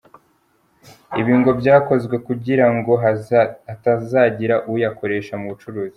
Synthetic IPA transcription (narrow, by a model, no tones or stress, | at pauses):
iβiːŋɡo̞bɟaːko̞zɡwe̞kuɟiɾaŋɡo̞ | atazaːɟiɾaʔujako̞ɾe̞ːʃamuβut͡ʃuɾuːzi